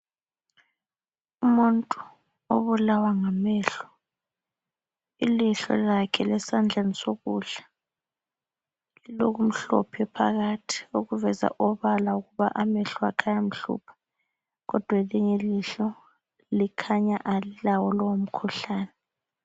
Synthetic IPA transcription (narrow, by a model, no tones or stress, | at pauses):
umuntʼu | o̰βulawaŋamɛɬɔ̥ | iliɬɔ̰lakʰɛlɛsand͡ɮʱanisoɣuɮa | liloɣum̩ɬɔ̰pʰɛpʰaɣatʰi̥oɣuvɛza̰ʔɔβalauɣuβaʔamɛɬɔakʰajam̩ɬṵːpʰḁ | ɣɔd̥ʱwaliŋeliɬɔ | likʰaɲaʔalilawɔlɔwom̩kʰuɬaːnɛ